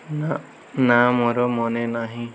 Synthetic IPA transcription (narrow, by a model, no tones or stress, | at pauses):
na | namoɾɔmɔnenaɦĩ